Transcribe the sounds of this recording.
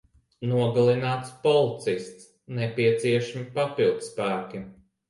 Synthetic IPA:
nuɔɡalˠinaːt̪spɔlˠit̪sist̪s | nɛpʲiɛt̪siɛʃamipapilˠd̪spæːkʲi

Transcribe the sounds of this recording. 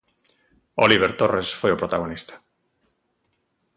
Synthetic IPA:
oliβ̞eɾt̪oresfojopɾot̪aɣ̞onist̪ḁ

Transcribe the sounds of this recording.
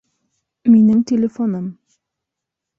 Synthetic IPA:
minɘŋtʲɪlʲɪfonɤm

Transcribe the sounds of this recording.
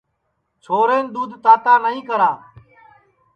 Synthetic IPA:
t͡ʃʰoːɾeːnd̪uːd̪ʱt̪aːt̪aːnəɦĩːkəɾaː

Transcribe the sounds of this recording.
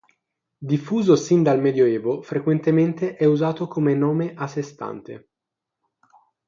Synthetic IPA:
d̪ifːuːzosind̪almɛːd̪joɛːvofɾekwent̪ement̪eʔɛuzaːt̪okomenɔːmeʔasːest̪a̰nt̪ḛ

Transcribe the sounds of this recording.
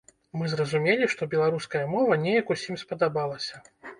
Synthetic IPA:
mɨzrɐzumʲelʲiʂt̪ɔbʲɛlˠaɾuskɐjɐmɔvɐnʲejɐkusʲimspɐd̪abalˠɐsʲɐ

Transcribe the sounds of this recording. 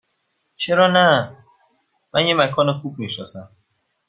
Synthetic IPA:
t͡ʃʰeɾɔnæ | mænjemækʰɔnekʰub̚miʃɔsam

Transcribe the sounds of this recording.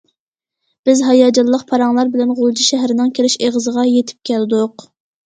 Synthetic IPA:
b̥ɪzɦɑjɑːd͡ʒɑlˠːəqpʰɑɾɑŋlˠɑɾbɪlɛnʁolˠd͡ʒiʃɛɦɾɪnɪŋkʲʰelɪʃeʁəzəʁɑjet̪ʰɪ̥p̚kʲʰæld̪uq

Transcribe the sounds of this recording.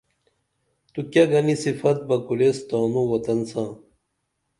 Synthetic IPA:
t̪ukjɐɡɐnisifɐt̪̚bɐkulest̪aːnũwɐt̪ɐnsãː

